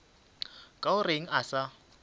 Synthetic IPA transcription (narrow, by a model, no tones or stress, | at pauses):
kʼaʊreŋ̩ʔasa